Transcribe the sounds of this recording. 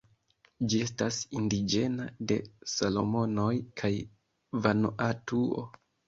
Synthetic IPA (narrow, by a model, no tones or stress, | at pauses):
d͡ʒie̞stasindid͡ʒe̞nade̞̰salo̞̰mo̞no̞jkʰaj | vanoʔatuo̰